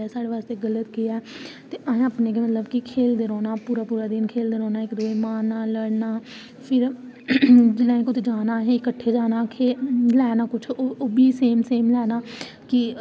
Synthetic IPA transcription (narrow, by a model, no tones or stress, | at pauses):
ɛːsaːɽeːʋaːst̪eːɡələt̪ɡɪjaːɛt̪eːʔaẽaːpnẽːkemət̪ləbkɪkʰeːld̪eːɾɔːnaːpuːɾaːpuːɾaːd̪ɪnkʰeːld̪eːɾɔ̃ːnaːɪkd̪oːeːmaːnːaːləɽnaː | pʰɪɾ | d͡ʒɪlãːẽːkʊt͡ʃʰd͡ʒaːnaːɦẽɪkəʈʰːeːd͡ʒaːnaːkʰelɛːnaːkʊt͡ʃʰːobiːseːmseːmlɛːnaː | kɪ